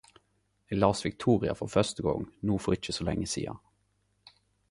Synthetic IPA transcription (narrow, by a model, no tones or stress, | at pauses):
eɡlɑːsʋɪk̚t̪ʰuːʁɪɑ̰fɔʁfœʁst̪əɡɔŋnuːfoːʁɪc͡çəsɔlɛ̰ŋːəsḭːɑ̰